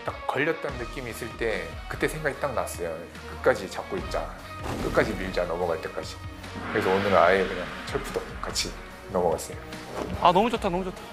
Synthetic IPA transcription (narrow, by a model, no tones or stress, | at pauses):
t͈akkʌʎːʌt̚t͈ʌnnɯk͈imiːs͈ɯɭt͈e̞ | kɯt͈e̞sʰeŋɡaɡit͈aŋnas͈ʌjo | kɯk͈ad͡ʑit͡ɕak̚k͈oit̚t͡ɕ͈a̰ | k͈ɯk͈ad͡ʑimiɭd͡ʑanʌmʌɣaɭt͈e̞k͈ad͡ʑi | kɯɾe̞sʰʌonɯɾaekɯɲaŋt͡ɕʰʌɭpʰudo | k͈at͡ɕʰi | nʌmʌɡas͈ɯjo | anʌmud͡ʑotʰanʌmud͡ʑotʰḁ